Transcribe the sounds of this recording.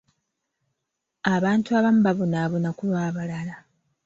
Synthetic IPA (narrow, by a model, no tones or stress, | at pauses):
aβaːntuaβamubaβonaːβonakuβaːβalala